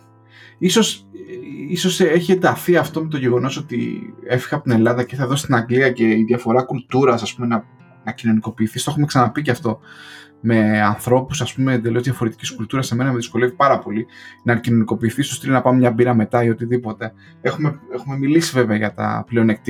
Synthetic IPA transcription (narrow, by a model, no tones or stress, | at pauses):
iso̞s | iso̞seçie̞nd̪ɐθiɐft̪o̞me̞t̪o̞ʝe̞ɣo̞no̞so̞t̪ḭe̞fi̥xeɐpo̞t̪ine̞lɐðɐceiθɐðo̞si̥st̪inɐŋɡliɐce̞iðjɐfo̞ɾɐkult̪uɾɐsɐspume̞nɐ | nɐcino̞niko̞piːθist̪oe̞xume̞ksɐnɐpiceɐft̪o̞ | me̞ɐnθɾo̞pusɐspume̞end̪e̞lo̞zðjɐfo̞ɾe̞t̪i̥ciskult̪uɾɐseme̞nɐmeðisko̞le̞vipɐɾɐpo̞linɐcino̞niko̞piːθist̪ost̪ilonɐpɐmmɲɐbiɾɐme̞t̪ɐio̞t̪iðipo̞t̪e̞ | exumeexume̞milisive̞veɐʝɐt̪ɐ̰pleo̞nek̚t̪i